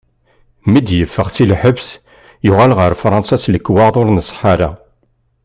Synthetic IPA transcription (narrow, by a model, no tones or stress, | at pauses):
mid̪jəfːəʁsilħəbs | jʊʁalʁəɾfɾˤɑ̃nsæsləkːwɑðˤoɾnəsˤħaɾa